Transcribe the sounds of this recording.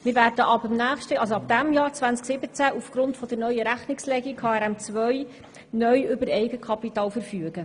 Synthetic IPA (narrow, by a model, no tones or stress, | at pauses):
mɪːɾvæːɾdəʔɑbəmnæːχʃtəʔɑlsoɑb̚d̪̥æmjɑːɾt͡svænt͡sksɪbət͡sæʔufɡ̥ɾʊntfɔd̥̪əɾnœʏəɾæχnɪkslɛɡikʰːɑːɛɾɛmt͡svœj | nœʏʏbəɾɛjɡəkʰɑpitɑːlfəɾfyəɡ̥ə